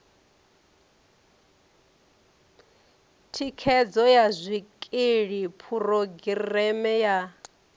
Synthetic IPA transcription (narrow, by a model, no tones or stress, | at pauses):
tʰikʰɛd͡zɔjazʷikʼeɺipʰuroɡirrɛmɛja